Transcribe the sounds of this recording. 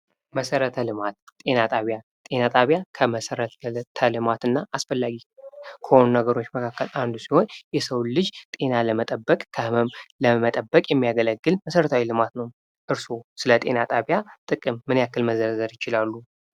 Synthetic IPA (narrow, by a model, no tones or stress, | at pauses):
məsəɾət̪ʰəlɨmat̪t̪ʼe̞nat̪ʼaβja | t̪ʼe̞nat̪ʼaβjakʰəməsəɾət̪t̪ʰəlɨmat̪ɨnːaʔasfəlːaɡikʰəho̞nunəɡəɾo̞t͡ʃːməkʰakːəland̪usiho̞njɛsəwlɨd͡ʒt̪ʼe̞naləmət̪ʼəbːəkʼkʰəhɨməmləmət̪ʼəbːəkʼjɛmːijaɡələɡːɨlməsəɾət̪ʰawilɨmat̪nəw | ʔɨɾso̞sɨlət̪ʼe̞̰nat̪ʼaβjat̪ʼɨkʼɨmːɨnjakːɨlməzəɾzəɾjɪt͡ʃɪlalːu